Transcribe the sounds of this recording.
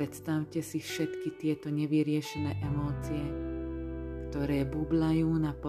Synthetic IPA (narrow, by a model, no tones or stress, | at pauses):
ɾɛt̪st̪aʊcɛsifʃɛt̪kit̪ɪɛt̪ɔɲɛʋiɾɪɛʃinɛːʔɛmɔːt͡sijɛ | kt̪ɔɾɛːbublajuːnapɔ